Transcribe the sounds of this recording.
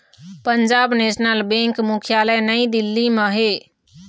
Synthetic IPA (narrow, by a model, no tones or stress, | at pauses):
pəɲd͡ʒabnesnəlbẽŋkmukʰjaləjnəj̃d̪ilːiməɦe